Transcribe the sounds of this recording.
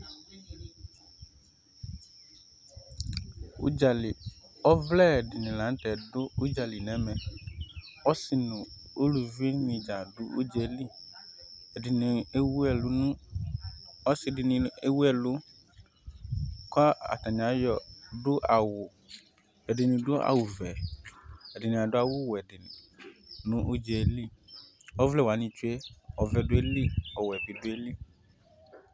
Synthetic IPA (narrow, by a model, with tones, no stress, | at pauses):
ṵ˦d͡ʒa˨lɪ˨ɔ˦vlɛ˦˨dɪ˨nɪ̃˨lã˨˦n˦tɛ˨dʊ˦u˦d͡ʒa˨li˨nɛ̃˨˦mɛ̃˨n | ɔ˦sɪ˨nʊ̃˨ | o˦lu˨vi˦nɪ̃˨d͡ʒa˨dʊ˦ʔu˦d͡ʒɛ˨li˦ | ɛ˨dɪ˨nĩ˨e˦wu˦ɛ˨lʊ˨nʊ̃˦ | ɔ˦sɪ˦dɪ˨nĩ˨e˦wu˦ɛ˦˨lʊ˦ | kɔ˦a˦a̰˨tã˨ɲ˨a˨˦jɔ˨dʊ˦ʔa˨wʊ˨ | ɛ˨dɪ˨nĩ˨dʊ˦a̰˨wʊ˨vɛ˨ | ɛ˨dɪ˨nĩ˨a˨dʊ˦a˦˨wʊ˦wɛ˨dɪ˨ | nʊ̃˦ʔu˦d͡ʒɛ˨˦li˦˨ɔ˦vlɛ˦wa˨˦nĩ˦t͡ʃu˦ɛ˦ɔ˨vɛ˨dʊ˦e˦li˦ɔ˨wɛ˨bi˨dʊ˦e˦li˦